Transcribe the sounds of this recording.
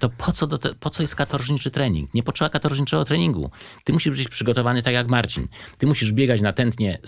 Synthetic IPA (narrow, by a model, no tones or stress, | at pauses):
t̪ɔpʰɔt̪sɔd̪ɔt̪ɛpɔt̪sɔjɛst̪̚kat̪ɔɾʐɲit͡ʂɘt̪ɾɛɲḭŋkɲɛpɔtʂɛbakat̪ɔɾʐɲit͡ʂɛɡɔt̪ɾɛɲiŋɡṵ | t̪ɘmuɕibɘt͡ɕpʂɘɡɔt̪ɔvanɘt̪akjakmaɾt͡ɕḭnt̪ɘmuɕiʐbʲjɛɡat͡ɕnat̪ɛnt̪ɲɛ